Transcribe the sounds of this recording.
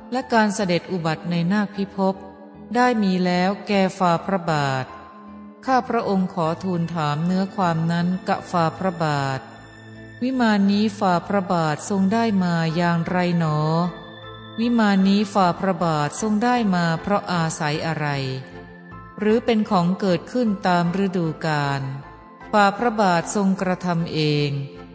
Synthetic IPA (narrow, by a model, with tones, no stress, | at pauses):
lɛ˦˥kaː˧nsa˧de˨˩t̪̚ʔu˨˩ba˨˩t̪̚na˧jnaː˥˩k̚pʰi˦˥pʰo˦˥p̚ | daː˥˩jmiː˧lɛː˦˥wkɛː˨˩faː˧pʰɾa˦˥baː˨˩t̪̚ | kʰaː˥˩pʰɾa˦˥ʔo˧ŋkʰɔː˩˦t̪ʰuː˧nt̪ʰaː˩˦mnɯ˦˥ɐkʰwaː˧mna˦˥nka̰˨˩p̚faː˧pʰɾa˦˥baː˨˩t̪̚ | wi˦˥maː˧nːiː˦˥faː˧pʰɾa˦˥baː˨˩t̪̚so˧ŋdaː˥˩jmaː˧jaː˧ŋɾa˧jnɔː˩˦ | wi˦˥maː˧nːiː˦˥faː˧pʰɾa˦˥baː˨˩t̪̚so˧ŋdaː˥˩jmaː˧pʰɾɔ˦˥ʔaː˧sa˩˦jʔa˧ɾa˧j | ɾɯː˩˦pe˧nkʰɔː˩˦ŋkɤː˨˩t̪̚kʰɯ˥˩nt̪aː˧mɾe˦˥duː˧kaː˧n | faː˧˩pʰɾa˦˥baː˨˩t̪̚so˧ŋkɾa˧t̪ʰa˧mʔeː˧ŋ